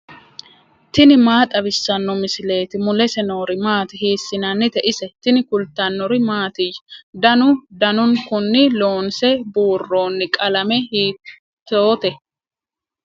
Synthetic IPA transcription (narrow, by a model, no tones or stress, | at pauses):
t̪ɪnɪmaːt̪ʼɐbɪsːɐnːɔmɪsɪle̞ːt̪ɪmʊlɛsɛno̞ːɾɪmaːt̪ɪhiːsːɪnɐnːɪt̪ɛʔɪsɛt̪ɪnɪkʊlt̪ːɐnːɔɾɪmaːt̪ɪjd̪ɐnʊd̪ɐnʊnkʊnːɪlo̞ːnsɛbuːrːo̞ːnːɪkʼɐlɐmɛhiː | t̪ːoːt̪ɛ